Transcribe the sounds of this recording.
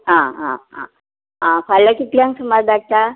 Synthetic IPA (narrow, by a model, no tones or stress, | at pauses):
ɦãɦã̰ɦã̰ | ɦãkaljakit̪ljãŋksəmad͡zd̪ak̚t̪a